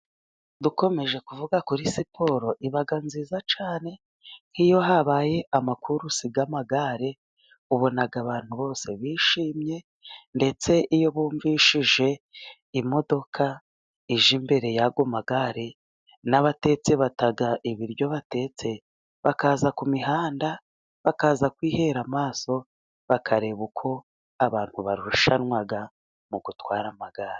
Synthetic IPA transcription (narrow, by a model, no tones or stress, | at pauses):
duko̞me̞ʒe̞kuvuɡakuɾisipʰo̞ɾo̞ʔiβaɡanziːzat͡ʃaːne̞ | nkijo̞ɦaβaje̞ʔamakuɾusiɡamaɡaɾe̞ | uβo̞naɡaβaːn̥huβo̞ːse̞βiːʃiːmɲe̞ | nde̞t͡se̞ʔijo̞βuːɱviʃiʒe̞ | imo̞do̞kʰa | iʒimbe̞ɾe̞jaɡomaɡaɾe | naβate̞t͡se̞βataɡaʔiβiɾjo̞βate̞ːt͡se̞ | βakaːzakumiɦaːnda | βakaːzakwiːhe̞ɾamaːso̞ | βakʰaɾe̞βukʰo̞ | aβaːn̥huβaɾuuʃanŋwaɡa | muɡutwaːɾamaɡaɾe